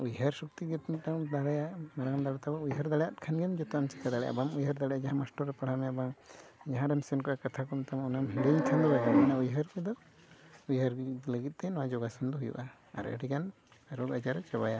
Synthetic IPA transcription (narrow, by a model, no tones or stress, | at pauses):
ujɦəɾsuk̚t̪iɡɛt̪mit̪̚naŋd̪aɽajamaɾaŋnd̪aɽɔt̪abaujɦəɾd̪aɽɛjat̪̚kʰanɡɛmd͡ʒɔt̪ɔant͡ʃɛ̥k̪ad̪aɽɛja̰bamujɦəɾd̪aɽɛjad͡ʒaɦãmasʈɔɾɛpaɽ̤amɛabaŋd͡ʒaɦãɖɛmsɛnkɔʔakat̪ʰakɔmt̪amɔnamɦiɖeɲt̪ʰand̪ɔbaɡamɛnaujɦəɾkɛd̪ɔ | ujɦəɾkləɡit̪̚ˀt̪ɛnɔwad͡ʒɔɡasɔnd̪ɔɦujṵʔa̰ː | ɾə̰ɖikan | aɾɔɡad͡ʒaɾt͡ʃabaja